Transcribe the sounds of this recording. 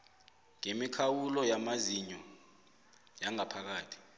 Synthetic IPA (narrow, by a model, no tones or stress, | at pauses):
ŋemikʰawulɔjamaziɲɔ | jaŋapʰak̬aːtʰi̥